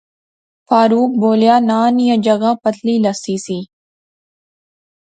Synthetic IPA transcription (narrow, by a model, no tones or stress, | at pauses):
faːɾuːk̚boːljaːnaːnijə̃d͡ʒɐɣaːpɐt̪ʰliːlɐsiːsiː